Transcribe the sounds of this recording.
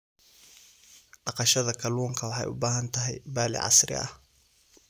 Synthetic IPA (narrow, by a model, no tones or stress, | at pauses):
ɖɑqɑʃɐðɐkʰɐluːŋkʰɐwɑħɑ̰jʔʊ̰baːɦɐnt̪ʰɐɦɛjbaːlɪ̰ʕɑ̰srɪ̰ɐ̰h